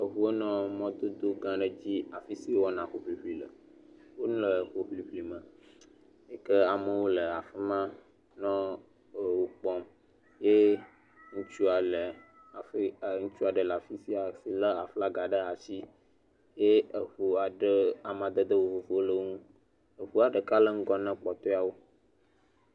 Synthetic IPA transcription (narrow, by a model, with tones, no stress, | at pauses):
ə˨ɦu˦e˦nɔ̃˦mɔ̃˦d̪o˦d̪o˦ɡã˨ɖə˦d͡ʑi˦a˨fi˦si˦wɔ˦nã˨xo˨ɸli˨ɸli˨lə˨wo˦nũ˦lə˨xo˨ɸli˨ɸli˨mə̃˨ | e˨kə˦a˨mə˨wo˦lə˨a˨fə˦mã˦ | nɔ̃˦˨ | wo˦k͡pɔ˦m | je˦ | ŋũ˦t͡ʃu˦a˨lə˨ | a˨fŋũ˦t͡ʃu˦a˨ɖə˨la˨fi˦si˦a˨si˨lə˦a˨fla˦ɡa˨ɖə˦a˨t͡ɕi˦ | je˦ə˨ɸu˨a˨ɖə˦a˨mã˨d̪ə˦d̪ə˦wo˦˨vo˨fo˦wo˦lə˦ŋũ˦ | ə˨ɸu˦a˨ɖə˨ka˦lə˦ŋ̩˦ɡɔ˦nɛ̃˦k͡pɔ˨t̪ɔ˦a˨wo˦